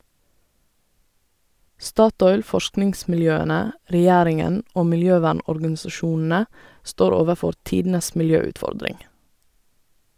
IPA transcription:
ˈstɑːˌtɔʏl ˈfɔʃknɪŋsmɪlˌjøːənə ɾɛˈjæːɾɪŋən ˈoː mɪlˈjøːˌʋæːɳɔɾɡɑnsɑˌʃuːnn̩ə ˈstoːɾ ˈoːʋəˌfɔɾ ˈtiːdn̩əs mɪlˈjøːʉtˌfɔɾdɾɪŋ

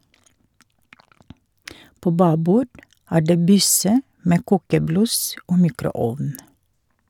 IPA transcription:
ˈpoː ˈbɑːbuː ˈæː ˈɖeː ˈbʏsə ˈmeː ˈkuːkəˌblʉs ˈoː ˈmiːkɾʊˌɔʋn

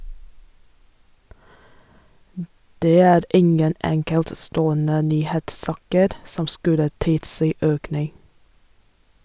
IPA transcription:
ˈdeː ˈæːɾ ˈɪŋən ˈɛŋkɛltˌstoːənə ˈnyːheːtˌsɑːkəɾ ˈsɔm ˈskʉlə ˈtɪlˌsiː ˈøːknɪŋ

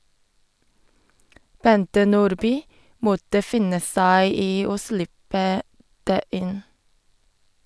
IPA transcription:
ˈbɛntə ˈnuːɾˌbyː ˈmɔtə ˈfɪnə ˈsæɪ ˈiː ˈoː ˈslɪpə ˈdeː ˈʔɪn

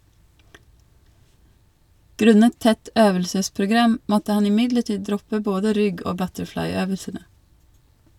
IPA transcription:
ˈɡɾʉnət ˈtɛt ˈøːʋəlsəspɾʊˌɡɾɑm ˈmɔtə ˈhɑn ɪˈmɪdləˌʈiː ˈdɾɔpə ˈboːdə ˈɾʏɡ ˈoː ˈbœtəɾˌflɑɪˌøːʋəsənə

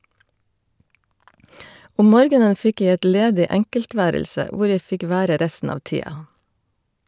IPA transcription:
ˈɔm ˈmoːɾɡənə ˈfɪk ˈjæɪ ˈɛt ˈleːdɪ ˈæŋkəlˌtʋæːɾəlsə ˈʋʊɾ ˈjæɪ ˈfɪk ˈʋæːɾə ˈɾæstn̩ ˈɑːʋ ˈtiːɑ

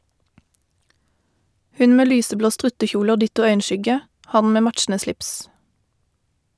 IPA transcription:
ˈhʉn ˈmeː ˈlyːsəˌbloː ˈstʁʉtəˌçuːlə ˈoː ˈdɪtʊ ˈœʏənˌʃʏɡə ˈhɑn ˈmeː ˈmætʃn̩ə ˈslɪps

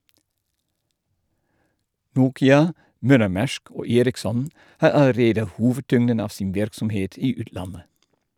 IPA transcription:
ˈnuːkɪɑ ˈmœləˌmæʃk ˈoː ˈeːɾɪkˌsɔn ˈhɑː ɑləˈɾeːdə ˈhuːʋəˌtʏŋdən ˈɑːʋ ˈsɪn ˈʋɪɾksɔmˌheːt ˈiː ˈʉːtˌlɑnə

